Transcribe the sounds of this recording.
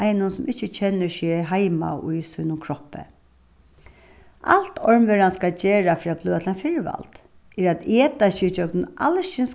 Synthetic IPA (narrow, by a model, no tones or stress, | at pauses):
ʔajnʊnsʊmʔɪht͡ɕːɪt͡ɕʰɛnːəʃɛːɦajma̰ʊ̰jsuːnʊmkʰɹɔhpə̰ | a̰lt̪ʰɔɹmʋɛɾanskat͡ɕeːɹafɾiːbluːat̪ʰlanfɪɹʋa̰lt̪ | ɛɾat̪eːt̪aɕɪt͡ɕœk̚nɪʔalʃɪns